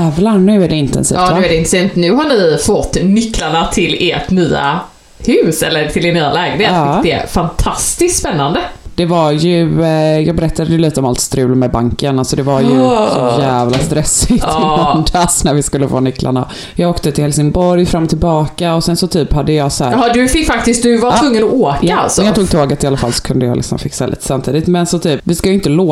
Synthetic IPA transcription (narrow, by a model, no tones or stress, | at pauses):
ɛvlannʉ̟ːæɖɛɪnt̪ɛ̰nsḭːfnʉɛɾɖɛɪnɾsiːmt̪nʉ̟ːɦaɳɪfɔt̪ːnʏkːlaɳat̪ʰɪleʈnyːa̰ | hʉːsɛ̰lːəʈ̪ʰɪlɛnyːalɛːɡənet̪ːk̪d̪ɛ̰fant̪ʰast̪ɪst̪spɛnːand̪əd̪̥ɛvaɾjɵjɑ̰ːɡ̚bɛɾɛt̪ːad̪əɛjʉliːt̪əɔmalt̪st̪ɾʉ̟ːlmɛbaŋkənalsɔd̪ɛvaɾjɵsɔjæːvlast̪ɾɛsːɪt̪ɔnd̪asnæɾvɪskɵlːəvɑ̰ːnʏkːlʔa̰ɳa̰ | jɑːɡoːkt̪ət̪ʰɪlhɛlsɪŋbɔɾjfɾamːɔt̪ʰɪlbɑːkaɔsɛnsɔt̪ʰyːphad̪ːəjɑːsɔhæːɾhɑd̪ɵfɪkːfak̚t̪ɪst̪̚d̪ɵvat̪vɵŋːənɔoːkaa̰lsɔnjɑt̪uːɡ̚t̪ʰoːɡat̪ːɪalːafalːsɔ̥kʰɵnd̪əjɑ̰lɪ̰ksɔ̰mfɪksa̰lḭːt̪ə̥samt̪ʰiːd̪ɪt̪mɛnsɔt̪ʰyːpvɪskajʏɪnt̪əlo